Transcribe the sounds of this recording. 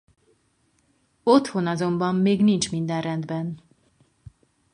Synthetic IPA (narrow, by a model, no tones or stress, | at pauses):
ot̪ho̞nɒzo̞mbɒmːeːɡnint͡ʃmind̪ɛnrɛnd̪bɛn